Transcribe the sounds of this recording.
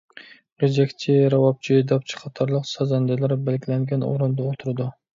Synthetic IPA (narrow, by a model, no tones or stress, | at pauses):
ed͡ʒɛkʲt͡ʃʰɪɾɑwɑp̚t͡ʃʰid̪ɑp̚t͡ʃʰi̥qʰɑt̪ʰɑɾlˠəqsɑzɑnd̪ɪlæɾbælɡʲilɛŋɡʲɛno̰ɾɨnd̪ɑot̪ʰuɾɨd̪u